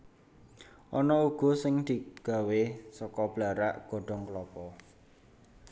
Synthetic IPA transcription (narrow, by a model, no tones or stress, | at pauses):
ʔɔnɔuɡ̥ɔ̤sɪŋd̪̥i̤ɡ̥a̤wesɔkɔb̥laɾaʔɡ̥ɔ̤ɖ̥ɔ̤ŋklɔpɔ